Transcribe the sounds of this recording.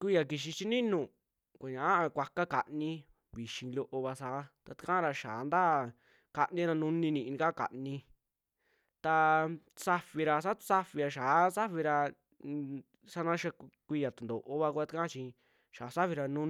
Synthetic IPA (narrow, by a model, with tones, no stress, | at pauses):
kʷi˦˧ja˧ki˧ʃ̬i˧t͡ʃi˦nĩ˦nũ˨ | kʷa˨ɲã˨ʔa˦˧kʷa˧ka˦ka˨ʔnĩ˧ | βi˨ʃĩ˧lo˧ʔo˧βa˧saː˨˦t̪a˧t̪i̥˧kã˦ɾa˧ʃaː˨˦nd̪a˦˨ | ka˧ʔnĩ˧˦ɾã˧nũ˦nĩ˧nĩ˧ʔnĩ˧ka˦ka̰˨ʔnĩ˧ | t̪a˧ | sa˦fi˧ɾa˧s̬a˦˧sa˦fi˧ɾa˧ʃaː˨˦sa˦fi˧ɾa˧ | sa˦nã˦ʃa˧kʷi˧a˨t̪u˨nd̪o˨ʔo˧βa˧ku˧a˧˦t̪i˦kã˦t͡ʃĩ˧ | ʃa˨˦sa˦fi˧ɾa˧nũ˦